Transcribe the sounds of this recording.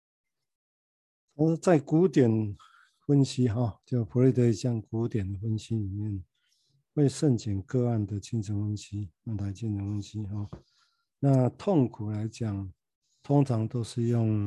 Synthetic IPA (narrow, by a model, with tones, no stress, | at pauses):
t͡sʰɔ˨˦˧t͡sa˥˨ɪku˨˦t̪jɛ˨˩n | fə˦˥nɕi˦ɦɔ˥˨˩t͡ɕo˥˧˩ʊpʰu˨˦li˥˩t̪ʰə˧i˨ɕja˥˧ŋku˨˦t̪jɛ˨˩nd̪ə˨˩fə˦nɕi˦li˨˩mjɛ˥˨n | we˥˧ɪʂə˥˨nt͡ɕʰjɛ˨˩nkɤ˥˧a˥˨nd̪ə˨t͡ɕʰi˥nt͡sʰə˨˦ŋhə˦nɕi˦a˥˧˩t̪ʰa˨˧ɪt͡ɕʰi˥˨nt͡sʰə˧˦ŋwə˦nɕi˦ɦɔ˥˨ | na˥˧t̪ʰɔ˥˨ŋkʰu˨˩la˧˦ɪt͡ɕja˨˩ŋ | t̪ʰɔ˦˥ŋt͡sʰɑ˨˦ŋt̪o˥ʊʂɻ̩˥˧jɔ˥˩ŋ